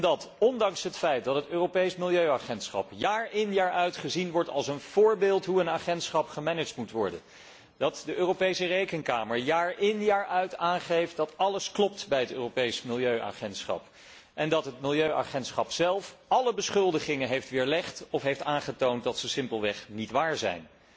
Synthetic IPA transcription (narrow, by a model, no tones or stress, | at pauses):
ɛndɑtɔndɑŋsɦətfɛjt̚dɑtɦətøːropejsmɪlˠjøɥaχɛntsχɑ̰pjaːɹɪnjaːɹœɥtχəzinʋɔɹtɑ̰lˠsənv̥ʊːɹbɪːlˠtɦuənaːχɛntsχɑpχəmɛnəd͡ʒtmutʋɔɹdə̰n | d̥ɑtdəʔøːropejsərejkənkaːməɹjaːɹʔɪnjaːɹʔœɥtaːnχejft̚dɑtɑləsklɔp̚tbɛjɦətø̰ːropejsmɪlˠjøɥʔa̰ːχɛntsχɑ̰p | ʔɛndɑtɦətmɪlˠjøɥʔa̰χɛntsχɑpsɛlˠfɑləbəsχɵlˠdəχɪŋənɦejftʋɪːɹlɛχtɔfɦejftaːnχətownt̚dɑtsəsɪmpəlˠʋɛχnitʋaːɹzɛ̰jn